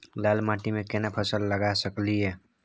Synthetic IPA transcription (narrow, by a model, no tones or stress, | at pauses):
lalmãʈimẽkenapʰəsəlːəɡasəkliɛ